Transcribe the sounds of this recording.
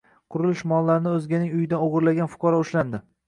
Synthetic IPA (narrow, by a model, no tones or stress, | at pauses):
qʰʊɾɪlɪʃmɒlˠːaɾɪnɪɵzɡʲanɪŋʊjɪd̪anoʁʊɾlaɡʲanfʊ̥qʰɒɾɒʊʃland̪ɪ